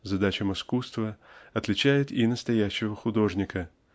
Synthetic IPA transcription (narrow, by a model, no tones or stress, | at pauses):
zɐd̪at͡ɕəmɨskust̪vəɐt̪lʲɪt͡ɕæjɪt̪inəst̪ɐjæɕːɪvəxʊd̪o̞ʐnʲɪkə